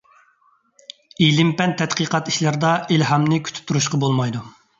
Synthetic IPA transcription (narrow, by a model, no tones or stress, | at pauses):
elɪmpɛnt̪ʰɛt̪qəːqɑt̪i̥ʃlæɾd̪ɑelɦɑmnɪkʲʰy̥t̪ʰp̚t̪ʰːuɾuʃqɑbolˠmɑjd̪u